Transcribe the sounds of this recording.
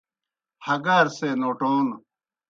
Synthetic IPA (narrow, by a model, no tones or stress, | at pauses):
hɐɡaːɾseːnoːʈoːn